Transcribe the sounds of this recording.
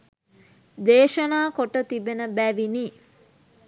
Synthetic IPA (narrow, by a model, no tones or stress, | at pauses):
d̪eːʃənaːkoʈət̪ibenəbæʋiniː